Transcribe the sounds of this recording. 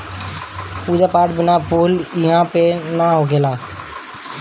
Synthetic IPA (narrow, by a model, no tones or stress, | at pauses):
pud͡ʒapaʈbənapʰuliɦãpenaɦoɡʱela